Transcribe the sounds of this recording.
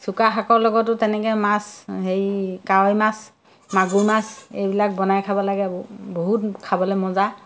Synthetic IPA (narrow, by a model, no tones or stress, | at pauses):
sukaxakɔɹlɔɡɔtʊtɛnɛkɛmashejkaɔjmas | maɡuɹmasejbilak̚bɔnajkʰabɔlaɡɛboɦutkʰabɔlɛmɔza